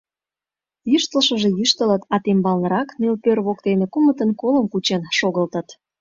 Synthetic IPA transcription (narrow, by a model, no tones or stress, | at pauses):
jyʃt̪əlʃəʒejyʃt̪ələt̪ɑt̪embɑlnəɾɑknelpørβokt̪enekumət̪ənkoləmkut͡ɕenʃoɣəlt̪ət̪